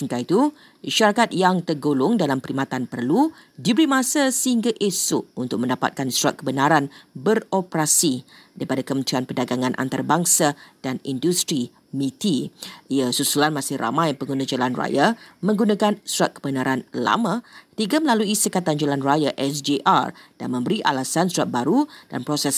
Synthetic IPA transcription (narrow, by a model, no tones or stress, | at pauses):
ŋkait̪u | ʃaɾakat̪̚jaŋt̪ərɡolʊŋdalampəɾimat̪anpərlu | dibəɾimãsasəhiŋɡaʔesʊʔunt̪ʊk̚mə̃ndapa̰t̪̚kansuɾa̰t̪̚kəbənaɾanbəropɾasidaɾipadakəmənt̪ɾianpərdaɡaŋãnʔa̰nt̪aɾabaŋsad̥anindust̪ɾi | mĩt̪iiasusulanmãsɪhra̰mãjpəŋɡunãd͡ʒolanra̰jamə̃ŋɡunãkansuɾat̪̚kəbənaɾanla̰mãt̪iɡaməlaluisəkat̪and͡ʒalanrajaʔɛsd͡ʒeʔa̰rd̥a̰nmə̃mbəɾiʔa̰lasansuɾat̪̚baɾud̥a̰npɾosɛs